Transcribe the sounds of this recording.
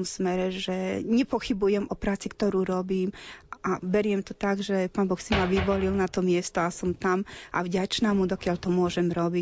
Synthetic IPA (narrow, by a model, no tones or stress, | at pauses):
msmɛɾɛʒɛɲɛpɔxibujɛmʔɔpɾaːt͡sikt̪ɔɾuːɾɔbiːmabɛɾɪɛmt̪ɔt̪aɡʒɛpaːnbɔxsimaʋiʋɔlilnat̪ɔmɪɛst̪ɔasɔmt̪amʔa̰vɟat͡ʃnaːmud̪ɔkɪaʎt̪ɔmʊɔʒɛmɾɔbi